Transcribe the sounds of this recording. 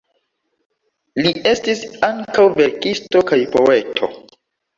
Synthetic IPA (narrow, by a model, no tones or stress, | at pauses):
liʔe̞stisaŋkawve̞ɾkisto̞kajpo̞e̞tʰo̞̰